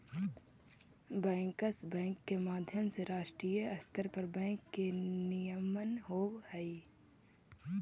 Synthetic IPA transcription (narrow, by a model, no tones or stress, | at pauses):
bɛ̃ːŋkəsbɛ̃ːŋkːemaːd̪ʱjəmseɾaːʃʈɾiːjəɐst̪ʰəɾpəɾbɛ̃ːŋkːenɪjəmənɦoːwhɛi